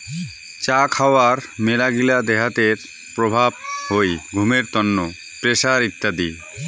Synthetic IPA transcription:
t͡ɕakʰaoaɾmelaɡilad̪eɦat̪eɾ | pɾobʱab̚hojɡʱumeɾt̪ɔnːo | pɾeʃaɾit̪ːad̪i

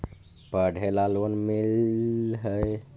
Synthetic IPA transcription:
pəɽʱelalonmilɦəj

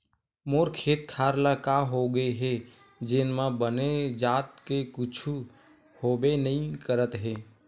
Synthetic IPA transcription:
moːɾkʰeːt̪̚kʰaːɾlakaɦoɡəeɦe | d͡ʒɪnmãbəned͡ʒaːt̪kekʊt͡ʃʰu | hoːbenəĩkəɾət̪ɦeː

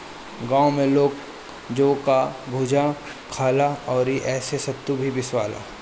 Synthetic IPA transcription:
ɡãːõmẽloːɡ | d͡ʒoːkabʱud͡ʒʱa | kʰaːlaɔːɾiʔɛːsesɐt̪ːubʱibɪswaːla̰ː

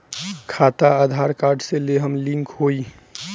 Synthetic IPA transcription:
kʰat̪aad̪ʱaɾkaɾɖseleɦəmlĩŋkɦoi

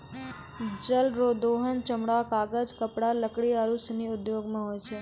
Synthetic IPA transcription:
d͡ʒəlɾod̪oɦənt͡ʃəmɽakaɡəd͡ʒkəpɽaləkɽiaɾusniʊd̪joɡmãɦojt͡ʃʰe

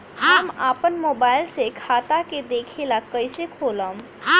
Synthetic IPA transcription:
ɦəmaːpənmoːbaːɪlsekʰaːt̪aked̪eːkʰelakəɪsekʰoːləm

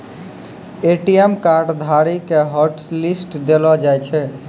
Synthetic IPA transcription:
eʈiemkaɾɖd̪ʱaɾikeɦəɾʈslisʈd̪elɔd͡ʒajt͡ʃʰɛ

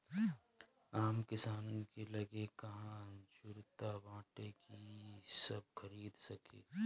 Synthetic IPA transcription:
aːmkɪsaːnõkelɐɡekɐɦãd͡ʒʊɾt̪abãːʈekisəb̚kʰɐɾiːd̪sɐkʰḛː

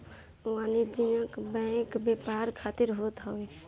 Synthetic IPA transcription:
waːnid͡ʒinəkbɛ̃ːkbepaːɾkʰaːt̪ɪɾɦoːt̪ɦəe

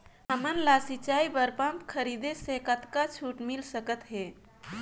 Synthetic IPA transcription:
ɦəmənlasit͡ʃaibəɾpəmpkʰəɾid̪esekət̪kat͡ʃʰuʈmilsəkət̪ɦe

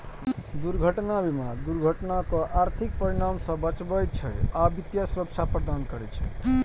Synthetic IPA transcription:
d̪uɾɡʱəʈnabimad̪uɾɡʱəʈnakõʔaɾt̪ʰik̚pəɾiɽamsə̃bət͡ʃbəjt͡ʃʰəjabit̪jasuɾəkt͡ʃʰapɾəd̪ankəɾɛt͡ʃʰə

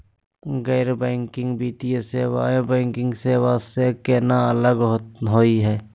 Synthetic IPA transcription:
ɣɛːɾbɛ̃ːŋkɪ̃ŋɡbiːt̪ijeseʋa̰ːebɛ̃ːŋkɪ̃ŋɡseʋaːst̪ekɛːnaələɡɦɦoːiɦɛː

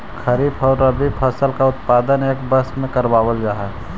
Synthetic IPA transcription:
kʰɐɾiːpʰɔːɾːɐbʱipʰəsəlkaʊt̪paːd̪əneːkbəsmẽkəɾbaːwəld͡ʒaːɦɛ

